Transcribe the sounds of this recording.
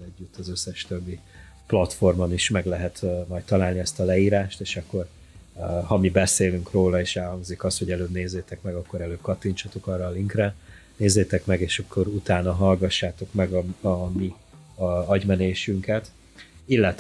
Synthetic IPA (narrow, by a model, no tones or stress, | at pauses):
ɛɟːyt̪ːɒzøsːɛʃt̪øbːi | plɒt̪fo̞rmoniʃmɛɡlɛɦɛt̪mɒjt̪t̪ːɒlaːlniɛst̪ɒlɛiːɾaːʃt̪eːʃɒkːo̞r | hɒmibɛseːlyŋkroːlɒeːʃɛlhɒŋɡzikɒst̪ho̞ɟɛløːbneːzːeːt̪ɛkmɛɡɒkːo̞ɾɛløːp̚kɒt̪ːiɲt͡ʃɒt̪o̞kɒrːɒːliŋkrɛneːzːeːt̪ɛkmɛɡeːʃɒkʰːo̞ɾut̪aːnɒɦɒlɡɒʃːaːt̪o̞kmɛɡɒɒmi | ɒɟmɛneːʃyŋkɛt̪ | ilːɛt̪